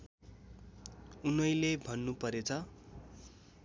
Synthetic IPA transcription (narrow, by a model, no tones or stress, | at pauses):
unʌjlebʱʌnːupʌɾet͡sʰʌ